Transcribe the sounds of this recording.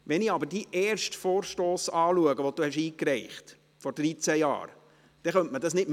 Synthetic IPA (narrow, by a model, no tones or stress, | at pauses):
ʋɛnɪɑbəɾdiʔɛːrʃtfoːɾʃtoːsɑːluəɡəʋod̥uhɛʃiːkɾɛɪχt | fɔɾd̥ɾit͡sæjɑ̰ːɾ | d̥ɛχœntmədɑsnɪdm